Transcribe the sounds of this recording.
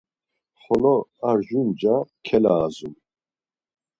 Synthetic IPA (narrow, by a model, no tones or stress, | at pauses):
χɔlɔaɾʒund͡ʒakʰɛlaːzum